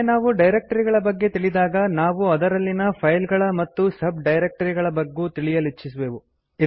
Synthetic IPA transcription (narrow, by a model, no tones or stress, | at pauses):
naːʋuɖɐjɾek̚ʈɐɾiɡɐɭɐbɐɡːe̞t̪iɭid̪aːɡɐnaːʋuɐd̪ɐɾɐlːinɐpʰɐjlɡɐɭɐmɐt̪ːusɐb̚ɖɐjɾek̚ʈɐɾiɡɐɭɐbɐɡːuːt̪iɭijɐlit͡ʃːis̬ʋeːʋu | i